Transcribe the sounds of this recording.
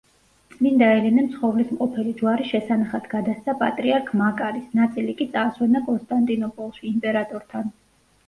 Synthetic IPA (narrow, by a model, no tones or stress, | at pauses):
t̪sʼmind̪aɛlɛnɛmt̪sχɔvlismqʼɔpʰɛlid͡ʒwaɾiʃɛsanaχat̪ʰɡad̪ast̪sapʼat̪ʼɾiaɾkʰmakʼaɾisnat̪sʼilikʼit̪sʼaːswɛnakʼɔnst̪ʼant̪ʼinɔpʼɔlˠʃiːmpʼɛɾat̪ʼɔɾt̪ʰan